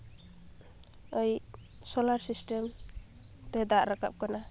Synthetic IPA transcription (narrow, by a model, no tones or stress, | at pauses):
ʌj | solaɾsisʈem | t̪ed̪aʔɾaka̰p̚kana